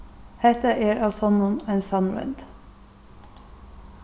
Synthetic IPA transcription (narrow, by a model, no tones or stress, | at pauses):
hɛt̪əʔeːɹʔɑlsɔnuːnɛɪnsɑnɹɛ̰nd̪̥